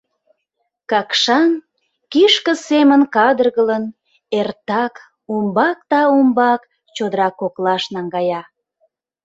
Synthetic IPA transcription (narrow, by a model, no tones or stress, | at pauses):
kɑkʃɑn | kiʃkəsemənkɑd̪ərɣələn | ert̪ɑk | umbɑk̚t̪ɑumbɑk | t͡ɕod̪əɾɑkoklɑʃnɑŋɡɑjɑ